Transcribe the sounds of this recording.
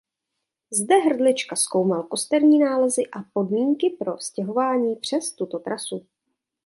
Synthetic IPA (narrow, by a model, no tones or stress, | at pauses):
zdɛɦr̩dlɪt͡ʃkasko̞wmalko̞st̪ɛɾɲiːnaːlɛzɪʔapo̞dmiːŋkɪpɾo̞scɛɦo̞vaːɲiːpr̝̥ɛst̪ut̪o̞t̪ɾʔasu